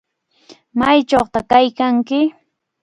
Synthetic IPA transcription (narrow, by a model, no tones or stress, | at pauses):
majt͡ʃoχt̪akajkaŋkɪ